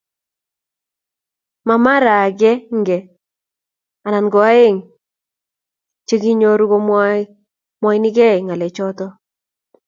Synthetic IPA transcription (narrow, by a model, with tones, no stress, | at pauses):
ma˨ma˦ɾa˨ɡɛ˦ŋɡɛ˨ | a˨na˨nɡɔ˨a˦e˦˨ŋ | t͡ʃe˦ɡi˦ɲo˦ɾu˦ɡo˦m˦ | mɔ˦i˦nɪ˦ɡɛ˦˨ŋa˨lɛ˨t͡ʃɔ˦tɔ˦